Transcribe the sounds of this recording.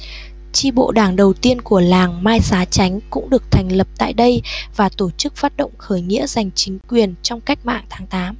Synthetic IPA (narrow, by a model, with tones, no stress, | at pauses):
t͡ɕi˧ɓo̰˧˨ɗaː˧˩ŋɗə˨˩wt̪i˧ənku˧˩əlaː˨˩ŋmaː˧jsaː˨˦t͡ɕa˨˦jŋ̟kʊ̰˧˥ŋ͡mɗɨ˨˩ək̚t̪ʰa˨˩jŋ̟lə˨˩p̚t̪a̰ː˧˨jɗə˧jvaː˨˩t̪o˧˩t͡ɕɨ˦˥k̚faː˦˥t̚ɗo̰˧˨wŋ͡mxəː˧˩jŋḭ˧˥əza˨˩jŋ̟t͡ɕï˨˦ŋ̟kwi˨˩ənt͡ɕɔ˧wŋ͡mka˦˥jk̟̚ma̰ː˧˨ŋt̪ʰaː˨˦ŋt̪aː˨˦m